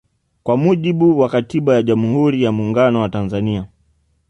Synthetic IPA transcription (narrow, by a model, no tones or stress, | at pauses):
kwamuʄiɓuwakatiɓajaʄamuhuɾijamuːŋɡanɔwatanzania